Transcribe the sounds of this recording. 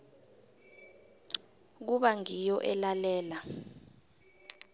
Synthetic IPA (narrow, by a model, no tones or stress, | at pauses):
k̬uɓaŋijɔʔɛlalɛːla